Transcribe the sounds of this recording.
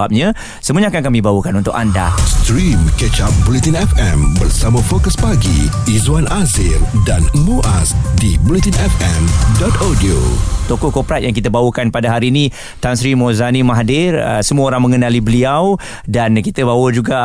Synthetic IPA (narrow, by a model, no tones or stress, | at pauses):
ap̚ɲã | səməɲakankamĩbawəkanunt̪ʊkanda̰st̪ɾimkət͡ʃap̚bulit̪inɛfɛ̃mbərsamãfokəspaɡḭ | izwanazɪrdanmoʔasdibulit̪inɛfɛmdɔt̪adio̰t̪okɔkopɾat̪̚jaŋk̬it̪əbawəkanpadaɦaɾiːnĩ | t̪ansɾimozanimaɦdɪrə̰səmuəoɾaŋməŋənalibəliaw | dankit̪əbawəd͡ʒuɡa